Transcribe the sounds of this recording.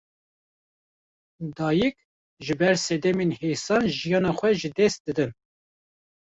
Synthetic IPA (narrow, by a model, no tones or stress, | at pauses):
d̪ɑːjɨk̚ | ʒɨbɛɾsɛd̪ɛmenhejsɑːnʒijɑːnɑːxʷɛʒɨd̪ɛst̪̚d̪̥ɨd̪ɨn